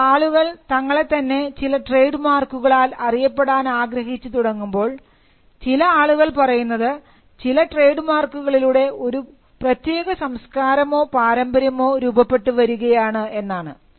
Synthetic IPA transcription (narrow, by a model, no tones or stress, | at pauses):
aːɭuɣɐɭt̪ɐŋːɐɭe̞t̪ːɐnːe̞t͡ɕilɐʈre̞jɖɨmaːrkuɣɐɭaːlɐrijɐpːe̞ɽaːnaːɡɾɐɦit͡ɕːut̪uɽɐŋːumbo̞ːɭ | t͡ɕilɐaːɭuɣɐɭpɐrɐjunːɐðɨ | t͡ɕilɐʈre̞ːɖɨmaːrkːuɣɐɭiluɽe̞o̞ɾu | prɐt̪je̞ːɣɐsɐmskaːɾɐmo̞ːpaːɾɐmbɐɾjɐmo̞ːɾuːbɐpːe̞ʈːɨʋɐɾuɣɐjaːɳɨe̞nːaːɳɨ